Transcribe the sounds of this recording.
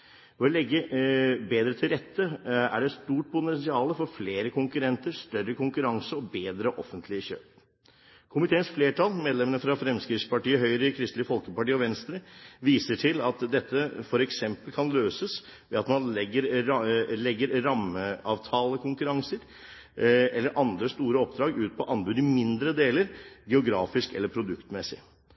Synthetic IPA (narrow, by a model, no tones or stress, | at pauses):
ɔɔlɛɡːəbeːd̪ɾət̪ʰɪlɾɛt̪ʰːəæ̰ɖɛst̪uːʈ̚pʰʊt̪ɛnsɪɑːləfɔɾfleːɾəkʰʊŋkʉɾɛnt̪əɾst̪œɾːəkʊŋkʉɾɑŋsəɔbeːd̪ɾəʔɔ̰fːənt̪ʰlɪəçø̰ːp̚ | kʰʊmɪt̪ʰeːənsfleːʈɑlmeːd̪lɛmənəfɾɑfɾɛmskɾɪspɑʈiːəɦœʏɾəɪkʰɾɪst̪lɪəfɔlkəpɑʈiːɔʋɛnst̪ɾəʋiːsəʈʰɪlɑt̪d̪ɛt̪ʰːəfɔɾɛksɛmpəlkʰɑnløːsəs | ʋɛɑt̪mɑnlɛɡːəɾ | lɛɡːəɾɾɑməɑːʋt̪ʰɑːləkʰʊŋkʉɾɑŋsəɾ | ɛlːəɾʔɑnd̪ɾəst̪uːɾəɔp̚d̪ɾɑːɡʉːt̪̚pʰɔʔɑnbʉd̪ɪmɪnd̪ɾəd̪eːləɾɡɛʊɡɾɑːfɪskɛləɾpʰɾʊd̪ʉkt̪mɛsɪ